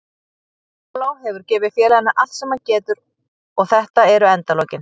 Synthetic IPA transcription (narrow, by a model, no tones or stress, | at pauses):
plaːwɦɛvʏɾcɛːvɪfjɛːlanːaʔal̥t̪sɛmːancɛːt̪ʏɾ | ɔɣθɛht̪aɛɾʏɛnt̪alɔːwcɪn